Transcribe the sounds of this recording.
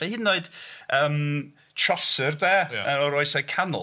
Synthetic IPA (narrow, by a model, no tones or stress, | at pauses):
ɛhɨnːoɨd̥əːm | tʰrɔsərdɛːəɔɾojsɔkʰanʊ̰